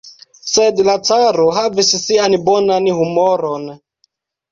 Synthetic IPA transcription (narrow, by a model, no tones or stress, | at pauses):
se̞dlat͡saɾoɦavissianbonanhumoɾo̞n